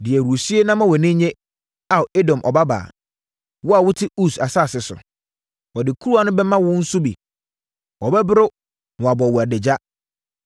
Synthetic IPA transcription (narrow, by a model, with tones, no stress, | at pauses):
dɪ˨ɛ˨ɾu˨o˨si˦e˦nã˦mã˦wɔ˨nɪ̃˦ɲẽ˦ | a˨e˦dɔ̃˨mʔɔ̰˨ba˦ba̰ː˨ | wɔ˦a˨wʊ˦tʰɪ˦u˦˨sa˨saː˦˨sɪ˨sʊ̰˨ | wɔ˨dɪ˨kʰu˦ɾu˦a˨nʊ̃˦bɛ˦mã˦wʊ̃˦n̩˦sʊ˦bḭ˨ | wɔ˨bɛ˦bɪ˦ɾʊ˦ | nʊ̃˨a˨bɔ˨wʊ˨æ˨de˨d͡ʑa˦